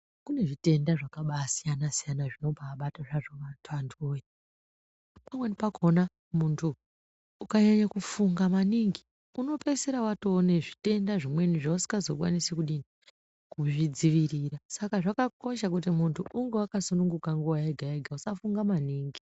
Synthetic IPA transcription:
kune̞ʐite̞ndaʐakaɓasijanasijanaʐino̞bʱaːɓataʐaʐoʋatʰandʰoje | pamwenipakʰona | muntʰuː | kaɲaɲakufuŋɡamaniŋɡi | uno̞pe̞seɾawatoːne̞ʐite̞ndaʐimwe̞niʐausi̥ɡazo̞k̬wanisekuɗini | kuʐid͡ziʋirirasakaʐakako̞ʃakut̬imuntʰuʔuŋɡe̞wakasunuŋɡukaŋɡuwaeɡʱaeɡʱausafuŋɡamaniːŋɡi

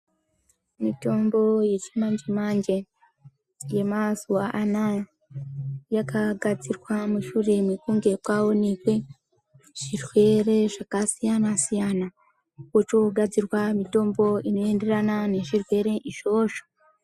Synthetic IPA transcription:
mito̞ːmbo̞je̞t͡ʃimaɲd͡ʒemaːɲd͡ʒe | je̞masuaʔana | jakʰaɡad͡zirwamuʃuːɾe̞mikuːŋɡe̞kwawo̞nikwe | ʐ̥irwe̞ɾe̞ʐ̥akasijanasijana | wot͡ʃo̞ɡad͡zirwamito̞ːmbo̞inoeːnde̞ɾanane̞ʒirwe̞ɾe̞ʔiʃo̞ːʃo̥

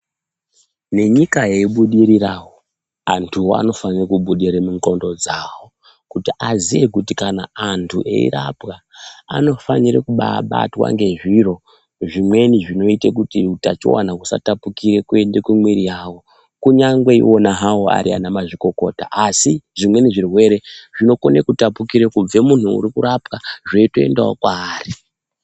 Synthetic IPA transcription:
ne̞ɲikaje̞iɓuɗiɾiraːwo | antʰuwoa̰no̞fanirekuɓuɗiɾemuŋko̞ndo̞d͡zawo | kutiʔaziʋe̞kutikanaːntʰuʔe̞̰ḭɾa̰pɣaa̰no̞faniɾḛkuɓaɓa̰twa̰ŋɡe̞ʐiro̞ | ʐimwe̞niʐino̞itek̬utiutat͡ʃḭwa̰nakusa̰tapukiɾe̞kue̞ndekumwiɾijawo̞ | kuɲaŋɡwe̞ḭʔo̞naɦawoa̰ɾia̰namaʐiko̞ko̞ta̰ʔasiʐimwe̞niʐirwe̞ɾe̞ʐino̞ko̞nekutapukiɾekub͡ve̞mun̤ṵːɾikuɾapkaʐeito̞e̞̰ndao̰kwaːri

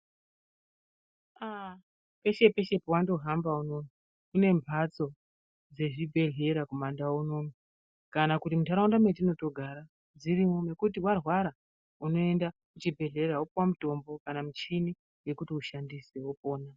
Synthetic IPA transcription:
a | pe̞ʃe̞pe̞ʃe̞pwando̞ɦambauno̞mi | une̞mbʱat͡so̞ | d͡ze̞ʐibʱe̞ɮe̞ɾakumandauno̞mi | kanakutimutaɾaundamwet̬ino̞to̞ɡʱaɾa | d͡ziɾimo̞me̞kutiwarwaɾa | uno̞e̞nda | mut͡ʃibʱe̞ɮe̞ɾaopwamuto̞mbo̞kanamut͡ʃini | we̞kutiuʃandisewopo̞ːna

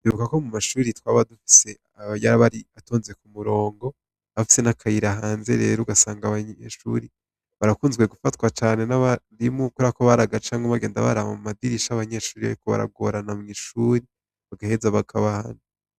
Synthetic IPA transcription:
ndiβukako̞mumaʃuːɾitwaβadufi̥se̞ | aβajaɾaβaɾiato̞ːnze̞kumuɾo̞ːŋɡo̞ | afi̥se̞nakʰajiɾaɦaːnze̞̰ɾe̞ːɾuɡasaːŋɡaβaɲeʃṵːɾi | βaɾakuːnzɡwe̞ɡufatwat͡ʃaːne̞naβaɾimukuɾakoβaɾaɡat͡ʃaːŋoβaɡe̞ːnda̰βa̰ɾaβamumadiɾiʃaβaɲe̞ʃuːɾiβa̰ɾikoβa̰ɾa̰ɡo̰ɾanamŋiʃuːɾi | βaɡahe̞zaβakʰaβaha̰nu

